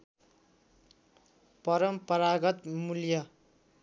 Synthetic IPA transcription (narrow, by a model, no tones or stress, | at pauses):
pʌɾʌmpʌɾaɡʌt̪muljʌ